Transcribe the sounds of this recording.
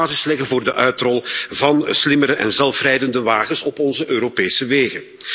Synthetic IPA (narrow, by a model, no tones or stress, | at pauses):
aːzɪslɛɣənvoːrdəʔœɥtrɔlˠvɑnslɪməɾəʔɛ̰nzɛlˠfrɛjdəndəʋaːɣənsɔpɔnzəʔøːɾopeːsəʋeːɣən